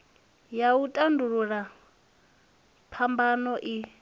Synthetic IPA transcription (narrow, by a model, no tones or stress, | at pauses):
jautʼanduɺuɺa | pʰambanɔʔi